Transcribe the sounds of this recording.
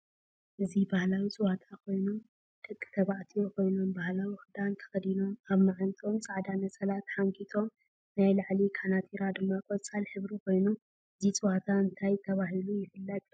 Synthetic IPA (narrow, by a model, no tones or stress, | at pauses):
ʔɨzibahlawit͡sʼɨwat̪ʰakʰo̞jnum | d̪̥ɐkʼːɨ̥t̪ʰɐβaʕt̪ʰijo̞kʰo̞jnombahlawixɨd̪ant̪ʰɐ̥xɐd̪ino̞maβmaʕant̪ʰo̞mt͡sʼaʕd̪anɐsʼɐlat̪ħaŋkʰit̪ʰo̞m | najlaʕlikʰanat̪ʰiɾad̪ɨmːakʼot͡sʼalħɨβɾikʰo̞jnu | ɨzit͡sʼɨwat̪ʰaɨnt̪ʰajt̪ʰɐβaɦilujɪfɨlːɐtʼ